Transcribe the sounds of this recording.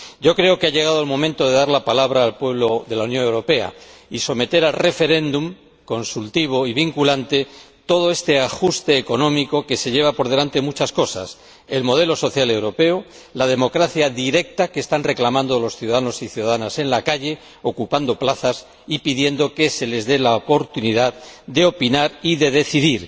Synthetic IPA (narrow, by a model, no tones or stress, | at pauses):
ɟ͡ʝo̞kɾe̞o̞keaʎe̞ɣ̞að̞oalmõ̞mẽnt̪o̞ð̞e̞ðaɾlapalaβ̞ɾaːlpwe̞β̞loðe̞launjo̞nŋe̞wɾo̞pe̞a̰iso̞me̞t̪e̞ɾalre̞fe̞ɾe̞nd̪um | ko̞nsult̪iβ̞o̞iβ̞iŋkulant̪e̞t̪o̞ð̞oe̞st̪e̞axust̪e̞ːko̞nõ̞miko̞ke̞se̞ʎe̞β̞apo̞ɾðe̞lant̪e̞mut͡ʃasko̞sa̰s | e̞lmo̞ðe̞lo̞so̞θjale̞wɾo̞pe̞o | lað̞e̞mo̞kɾaθjaðiɾe̞k̚t̪akeːst̪anre̞klamãnd̪olo̞sθjuðaðano̞siθjuðaðanase̞nlakaʎe̞ | o̞kupand̪o̞plaθas | ipiðje̞nd̪o̞ke̞se̞le̞zðe̞laopo̞ɾt̪uniðaðd̪e̞o̞pinaɾiðe̞ðe̞θiðiɾ